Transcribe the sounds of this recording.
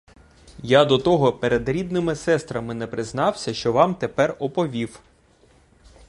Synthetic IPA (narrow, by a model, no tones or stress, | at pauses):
jad̪ɔt̪ɔɦɔpeɾed̪ɾʲid̪̚nɪmɪsɛst̪ɾɐmɪnɛpɾɪznɑwsʲɐʃt͡ʃɔʋɑmt̪epɛrɔpɔʋʲiw